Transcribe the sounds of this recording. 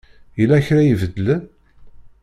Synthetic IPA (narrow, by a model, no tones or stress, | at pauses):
jəlːæçɾæjəvəd̪ːələn